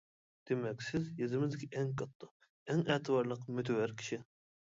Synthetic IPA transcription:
d̪̥emɛkʲsɪzjezɪmɪzd̪ɪkʲʰiʔɛŋkʰɑt̪ːə | ɛŋæːt̪ʰɨbɑɾlˠəqmyt̪ʰwæɾkʲʰi̥ʃi

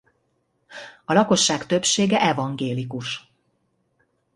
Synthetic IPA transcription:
ɒlɒko̞ʃːaːkt̪ø̞pʃeːɡɛʔɛvɒŋɡeːlikuʃ

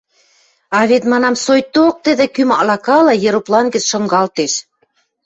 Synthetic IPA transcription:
ɑβet̪mɑnɑmsojt̪ok̚t̪ə̆d̪ĕkymɑlɑkɑlɑjĕɾuplɑnɡə̆t͡sʃɤ̆ŋɡɑlt̪eʃ

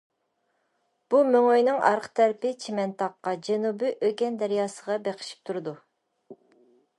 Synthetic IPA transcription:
b̥umøŋøjnɪŋɑ̰ɾqʰt̪ʰɛɾpɪt͡ʃʰemɛnt̪ʰɑqːɑd͡ʒɛnubɪʔøɡʲɛnd̪æɾijɑːsəʁɑbeqʰɪ̥ʃi̥p̚t̪ʰuɾɨd̪u

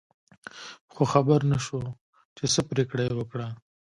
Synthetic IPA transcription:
xoxabaɾnaʃo | t͡ʃesəpɾekɽajwəkɽa

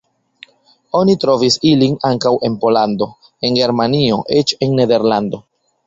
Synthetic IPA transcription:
o̞nitɾo̞visilinaŋkawʔe̞npo̞lando̞ | e̞nɡe̞ɾmanio̞ʔe̞t͡ʃe̞nːe̞de̞ɾlando̞

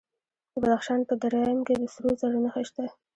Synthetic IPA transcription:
d̪əbad̪axʃɑnpəd̪aɾɑjmked̪əsɾozaɾanaxaʃt̪a

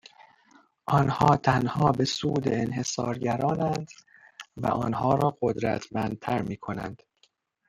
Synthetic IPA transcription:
ʔɒnhɒːt̪ʰænhɒːbe̞suːd̪eenhe̞sɒːɾɟæɾɒːnænd̪ | væ̰ʔɒ̰ːnhɒːɾɒːɢod̪ɾæ̰t̪ʰmænd̪̚t̪ʰæɾmiːkʰo̞næ̰nd̪̥

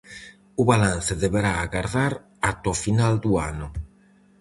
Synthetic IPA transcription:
uβalan̟θeðeβeɾaːɣaɾðaɾ | at̪ofinald̪ua̰nu

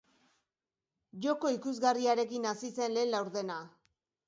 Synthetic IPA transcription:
ʝo̞ko̞ikuzɣariaɾe̞kinasise̞nlelawɾðe̞na

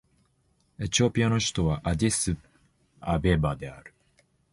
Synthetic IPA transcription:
e̞t͡ɕio̞pʲiano̞ɕi̥t̪o̞βaʔad̪ʲesɨ | abebad̪e̞a̰ɾɯ̟̥

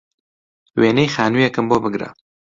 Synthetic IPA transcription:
weːnejxaːnuːjɛkɨmboːbɨɡɾɐ̰

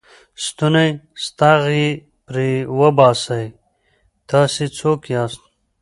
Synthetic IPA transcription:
st̪unajst̪aʁi | pɾiwɐbɑːsaj | t̪ʰaːsit͡sʰoːkjaːst̪̚

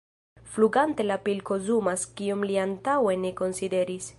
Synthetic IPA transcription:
fluɡante̞lapilko̞zumaskiomliantawe̞ne̞ko̞nside̞ɾis

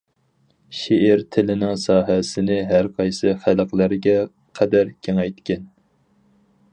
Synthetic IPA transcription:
ʃeɪɾt̪ʰɪlɪnɪŋsɑːɦɛsɪnɪɦæɾqʰɑjsɨχælqlˠæɾɪɡʲɛ | qʰæd̪æɾkʲʰeŋɛjt̪kʲɛn

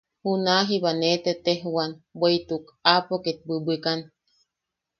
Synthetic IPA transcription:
hunaɦibanet̪et̪eɦuwanbʷeit̪ukapoket̪̚bɨbɨkan

